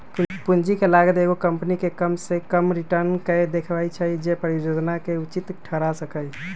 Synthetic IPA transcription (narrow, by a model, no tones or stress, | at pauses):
pund͡ʒikelaɡət̪eɡokəmpnikekəmsekəmɾiʈəɾnked̪ekʰʋait͡ʃʰaid͡ʒepəɾid͡ʒod͡ʒnakeʊt͡ʃit̪ʈʰəɾasəkəj